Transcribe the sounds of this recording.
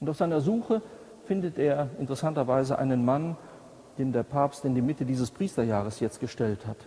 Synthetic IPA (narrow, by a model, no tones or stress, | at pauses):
ʔʊntaʊfz̥aɪnɐzuːxə | fɪndətʔeːɐʔɪ̰ntəʁɛsantɐvaɪzəʔa̰ɪnənman | d̥eːmdeːɐpʰaːpstɪndiːmɪtədiːzəspʁ̥iːstɐjaːʁ̞əsjɛt͡st̚ɡ̥əʃtɛlthat